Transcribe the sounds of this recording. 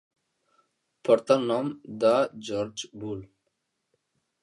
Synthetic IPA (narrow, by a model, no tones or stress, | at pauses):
pɔɾt̪anɔmd̪ad͡ʒɔɾd͡ʒbul